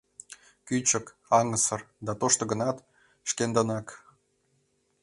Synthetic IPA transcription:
kyt͡ɕə̆k | ɑŋəsɤ̆rd̪ɑt̪oʃt̪ŏɡə̆nɑt̪ | ʃkend̪ənɑk

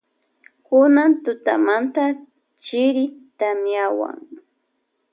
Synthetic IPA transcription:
kʊnant̪ʊt̪amant̪a | t͡ʃɪɾɪt̪amjawa̰ŋ

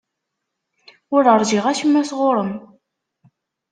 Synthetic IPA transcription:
ʊɾəɾˤʒiʁæʃəmːæsʁʊɾˤəm

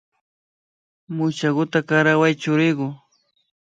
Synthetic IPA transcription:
mʊt͡ʃaɡʊt̪akaɾawajt͡ʃʊɾɪɢʊ

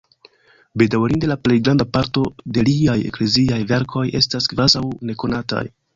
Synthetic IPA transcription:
be̞dawɾinde̞laple̞jɡɾandapaɾto̞de̞liaje̞̰kle̞ziajve̞ɾkʰo̞je̞̰staskvazawne̞ko̞nata̰j

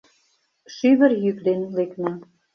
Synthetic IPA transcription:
ʃyβə̆rjykd̪enleknæ

